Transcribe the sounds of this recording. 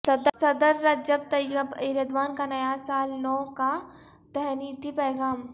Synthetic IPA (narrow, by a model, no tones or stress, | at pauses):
sɐd̪sɐd̪əɾːɐd͡ʒəb̚t̪ɐəbɪɾəd̪ʋaːnkanɐjasaːlnɔːka | d̪̥ɐɦniːt̪ipɐːɡaːm